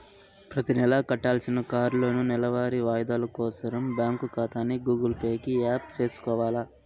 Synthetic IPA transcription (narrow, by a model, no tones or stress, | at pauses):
pɾɐt̪inɛlɐkɐʈːaːlsinɐkaːɾlo̞ːnunɛlɐʋaːɾiʋaːjɐd̪aːlɐkɔːsɐɾɐmbjaːŋkukaːt̪aːnːiɡuːɡɐlpeːkiaːp̚t͡ʃe̞ːsu̥kɔːʋaːla